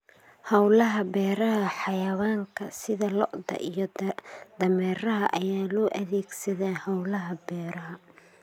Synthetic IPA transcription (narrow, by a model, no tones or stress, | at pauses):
hɐwlɐɦɐbɛːɾɐɦɐħɑjɐwaːŋkʰɐsɪðɐlɔʔd̪ɐ̰ʔijɔd̪ɐmɛːrɐɦɐʔɐjaːlɔːʔɐðɛːɡsɐðɛːhɐwlɐɦɐbɛːɾɐɦɐ